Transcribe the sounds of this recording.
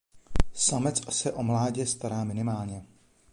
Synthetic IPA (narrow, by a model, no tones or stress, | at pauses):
samɛt͡sasɛʔo̞mlaːɟɛst̪aɾaːmɪnɪmaːlɲɛ